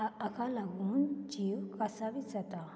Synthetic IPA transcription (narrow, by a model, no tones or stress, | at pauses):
əkalaɡuːnd͡ʒiːwkasaʋid͡zat̪a